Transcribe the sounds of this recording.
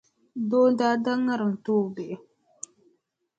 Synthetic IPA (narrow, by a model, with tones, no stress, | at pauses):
do˦daː˦da˦ŋːa˦ɾɨ˨ŋ˨toː˦˨be˨ʔɪ˨